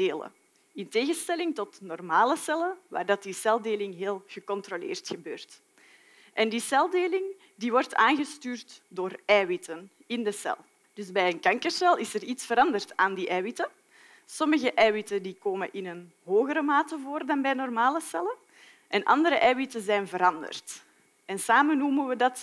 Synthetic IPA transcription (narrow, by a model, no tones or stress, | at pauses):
deːlə̰ | ɪnteːɣənstɛlɪŋtɔtnɔrmaːləsɛlənʋa̰ːrdɑt̚disɛlˠdeːlɪŋɦeːlˠɣəkɔntrolḛːrtxəbøːrt | ʔɛndisɛlˠdeːlɪŋ | diːʋɔrtʰaːnɣəstyːrtdoːrɛːwitən | ɪndəsɛ̰lˠ | d̥ʏzbɛjənkɑŋkərsɛlˠɪsəritsfəɾɑndərtaːndiːʔɛːwitə | sɔməɣəʔɛːwitəndikoːmə̰nʔɪnən | ɦoːɣəɾəmaːtəvoːrdɑnbɛːjnɔrmaːləsɛlə | ʔɛnʔɑ̰ndəɾəʔɛːwitəzɛːnvəɾɑndə̰rt | ɛnsaːmənuːmənʋədɑt